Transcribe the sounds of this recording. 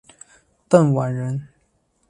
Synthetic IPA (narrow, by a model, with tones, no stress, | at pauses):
t̪ə˥˩nwa˨˥nɻə˧˦˥n